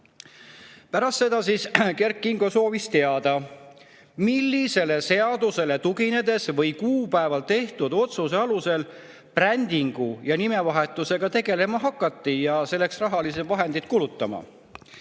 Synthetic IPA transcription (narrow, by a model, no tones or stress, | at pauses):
pæɾɑst̪se̞d̪ɑsiske̞ɾkːˑiŋɡoso̞ːvist̪e̞ɑd̪̥ɑ | milːise̞le̞se̞ɑd̪̥use̞le̞t̪uɡine̞d̪e̞svɤ̞jkuːpæevɑlt̪e̞ht̪ud̪̥o̞t̪suse̞ɑluse̞l | prænʲd̪iŋɡ̥ujɑnime̞vɑɦe̞t̪ːˑuse̞ɡ̥ɑt̪e̞ɡe̞le̞mɑɦɑkːˑɑt̪ˑːijɑse̞lːe̞ksrɑɦɑlis̬ed̪vɑɦe̞nd̪id̪̥̚kulut̪ːˑɑmɑ̰